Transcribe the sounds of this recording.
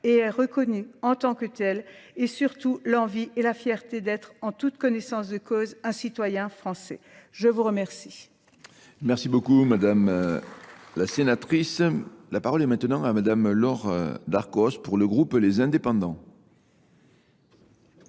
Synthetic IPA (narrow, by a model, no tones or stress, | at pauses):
eɛʁəkɔnyɑ̃t̪ɑ̃kət̪ɛlesyʁt̪ulɑ̃vielafjɛʁt̪ed̪ɛt̪χɑ̃t̪ut̪kɔnɛsɑ̃sd̪əkozɛ̃sit̪wajɛ̃fχɑ̃sɛʒəvuʁəmɛʁsi | mɛʁsibokumad̪am | lasenat̪χislapaʁɔlɛmɛ̃t̪ənɑ̃amad̪amlɔʁd̪aʁkɔspuʁləɡʁuplezɛ̃d̪epɑ̃d̪ɑ̃